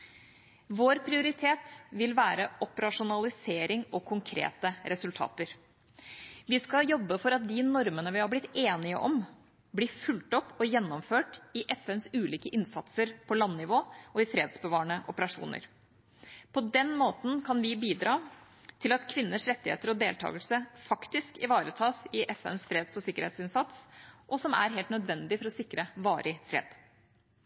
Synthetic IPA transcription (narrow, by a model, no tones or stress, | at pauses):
ʋoːɾpʰɾɪʊɾɪt̪ʰeːt̪ʋɪlʋæːɾəʔɔpəɾɑʂʊnɑlɪseːɾɪŋɔkʰʊŋkʰɾḛːt̪əɾɛsʉlt̪ʰɑ̰ːt̪əɾ | ʋɪskɑjɔbːəfɔɾɑt̪̚d̪ɪnɔɾmənəʋɪhɑɾblɪt̪ːeːnɪə̰ʔɔm | bliːfʉlt̪ɔpːɔjɛnːɔmføːʈɪʔɛfɛnsʉːliːkəʔɪnsɑt̪səɾpʰɔlɑnːɪʋoːʔɔɪfɾeːd̪sbəʋɑːɳəʔɔpəɾɑʂṵːnə̰ɾ | pʰɔd̪ɛnmoːt̪n̩kʰɑnʋɪbiːd̪ɾɑː | t̪ʰɪlɑt̪kʰʋɪnːəʂɾɛt̪ːɪhḛːt̪əɾɔd̪eːlt̪ʰɑ̰ːɡəlsəfɑkt̪ɪskɪʋɑːɾət̪ʰɑːsɪʔɛfɛ̰nsfɾeːd̪sɔsɪkːəɾhḛɪt̪sɪnsɑt̪sʔɔsɔmæ̰ɾɦeːlt̪nœd̪ʋɛnd̪ɪfɔɾɔsɪkɾəʋɑːɾʔɪfɾḛːd̪̥